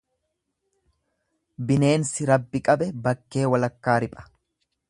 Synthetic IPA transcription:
bɪne̞ːnsɪɾɐbːɪkʼɐbɛbɐkːe̞ːwɐlɐkːaːɾɪpʼɐ̥

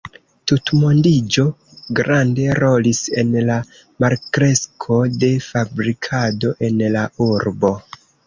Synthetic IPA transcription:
tutmondid͡ʒo̞ | ɡɾʔande̞ɾo̞lise̞̰nla | maɾkɾe̞skʰo̞de̞fabɾikʰado̞ʔe̞nlauɾbo̞

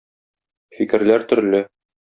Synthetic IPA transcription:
fikɘ̆ɾlæɾt̪ɵ̆ɾlɘ

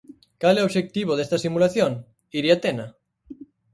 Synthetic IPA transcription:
kalɛoʃek̚t̪iβoðest̪asimulaθjoŋ | iɾiat̪ena

